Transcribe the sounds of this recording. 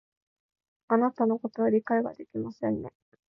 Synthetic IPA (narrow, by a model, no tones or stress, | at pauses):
anat̪ano̞ko̞t̪o̞βaɾʲikaiɡa̰d̪e̞kʲimasẽ̞nːe̞